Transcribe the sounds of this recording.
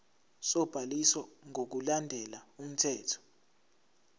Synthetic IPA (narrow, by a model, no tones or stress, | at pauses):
sɔb̥ʱaliswɔŋʱok̬ulandʱɛlaum̩tʰɛːtʰɔ̥